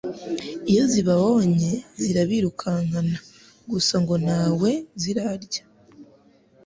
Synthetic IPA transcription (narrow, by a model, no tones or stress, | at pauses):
ijo̞ziβaβoɲe̞ziɾaβiɾukʰaŋana | ɡusaŋɡo̞naːwe̞ziɾaɾɟḁ